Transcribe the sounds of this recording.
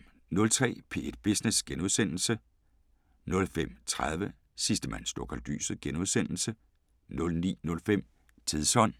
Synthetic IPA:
nɔ̽lt͡sʰʁɛ̰ːpʰe̝̰ːed̥̚b̥isnesɡ̥enuð̞ˠsen̰l̩sə | nɔ̽lfem̰t͡sʰʁað̞ˠʋə | sisd̥əmæn̰sd̥okʰɒld̥y̰ːsɡ̥enuðˠsen̰l̩sə | nɔ̽lnḭːnɔ̽lfem̰ | t͡sʰiðˠsɒ̽n̰

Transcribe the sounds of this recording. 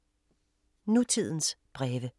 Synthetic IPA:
nut͡sʰið̞̰ˠn̩sb̥ʁɛːʋə

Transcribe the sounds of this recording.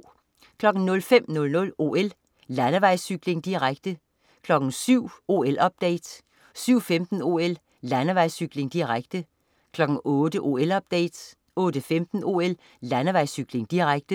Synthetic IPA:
kʰlɒ̽ɡ̥n̩nɔ̽lfem̰nɔ̽lnɔ̽lo̝̰el | lænəʋɑ̈ɪsyɡ̥le̝ŋd̥iʁaɡ̥̚d̥ə | kʰlɒ̽ɡ̥n̩syʊ̰o̝ːelʔɒ̽b̥̚d̥ɛ̰ɪd̥ | syʊ̰femd̥n̩o̝el | lænəʋɑ̈ɪ̰syɡ̥le̝ŋd̥iʁaɡ̥d̥ə | kʰlɒ̽ɡ̥ŋ̩ɔ̽ːd̥əʔo̝ːelɒ̽b̥̚d̥ɛ̰ɪ̰d̥ | ɔ̽ːd̥əfemd̥n̩o̝ːel | lænəʋɑ̈ɪ̰syɡ̥le̝ŋd̥iʁaɡ̥d̥ə

